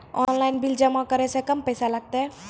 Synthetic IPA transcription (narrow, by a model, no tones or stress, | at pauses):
ɔ̰nlaɪnbild͡ʒəmakəɾesekəmpəjsalaɡ̚t̪e